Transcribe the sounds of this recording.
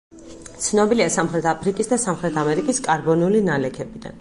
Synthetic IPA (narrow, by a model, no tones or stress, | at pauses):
t̪sʰnɔbiliasamχɾɛt̪ʰapʰɾikʼisd̪asamχɾɛt̪ʰamɛɾikʼiskʼaɾbɔniulinalɛkʰɛbid̪a̰n